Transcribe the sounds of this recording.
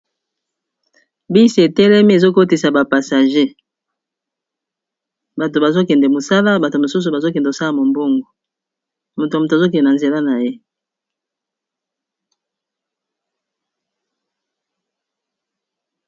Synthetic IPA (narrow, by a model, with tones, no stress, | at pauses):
bi˦si˨e˨tɛ˦lɛ˦mi˦e˨zo˦ko˦ti˨sa˨ba˨pa˨sa˨ʒe˦ | ba˨to˨ba˨zo˦kɛ˨ndɛ˨mo˨sa˦la˦ba˨to˨mo˨su˦s̬u˨ba˨zo˦kɛ˨ndo˨sa˦la˨mo˨mbo˦ŋɡo˨ | mo˨to˨mo˨t̬zo˦kɛ˨dɛ˨na˨nze˨la˦na˨je˦